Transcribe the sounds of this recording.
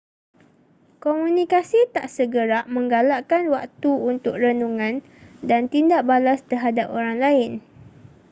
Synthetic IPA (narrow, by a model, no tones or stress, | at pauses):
komũnĩkasit̪aʔsəɡəɾaʔmə̃ŋɡalaʔkanwak̚t̪uunt̪ʊk̚rənuŋãn | dant̪indaʔbalast̪əɦadapoɾaŋlaɪn